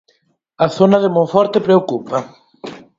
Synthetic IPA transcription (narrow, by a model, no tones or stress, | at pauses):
ɐθonɐðemõɱfɔɾt̪ɪpɾeokupɐ